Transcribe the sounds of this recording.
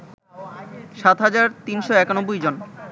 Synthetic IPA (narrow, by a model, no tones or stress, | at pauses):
ʃat̪ɦad͡ʑaɾt̪inʃoɛkanobːujd͡ʑon